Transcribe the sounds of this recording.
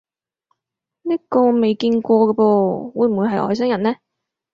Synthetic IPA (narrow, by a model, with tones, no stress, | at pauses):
niː˥kɔː˧me˨jkiː˧nkʷɔː˧ɡɐ˧pɔː˧wuː˨˧jm̩˨˩wu˨˧jɦɐ˨jʔɔ̰ː˨js̬ɐ˥ŋjɐ˨˩nɛː˥